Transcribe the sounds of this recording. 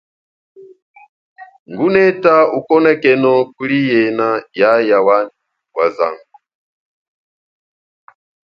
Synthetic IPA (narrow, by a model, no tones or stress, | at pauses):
ŋɡunɛtaukɔnɛkɛnɔkulijɛnajajawan | waza̰ŋɡu